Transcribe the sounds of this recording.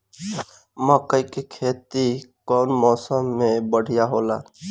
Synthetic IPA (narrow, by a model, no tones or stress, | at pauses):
məkəikekʰeːt̪ikɔːnmɔsəmːebəɽ̤ʱijaɦola̰